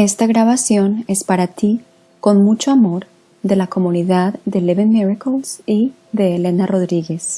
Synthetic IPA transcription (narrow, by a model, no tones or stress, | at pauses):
e̞st̪aɣɾaβasjo̞ne̞spaɾat̪i | ko̞nmut͡ʃoamo̞ɾ | ðe̞lako̞muniðaðːe̞leβenmiɹakolsi | ðe̞ːle̞naro̞ðɾiɣe̞s